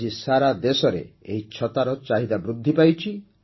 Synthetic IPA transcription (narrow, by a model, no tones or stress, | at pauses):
isaɾad̪esɔɾḛeɦit͡ʃʰɔt̪aɾɔt͡ʃaɦid̪abɾud̪ʱːipajt͡ʃʰi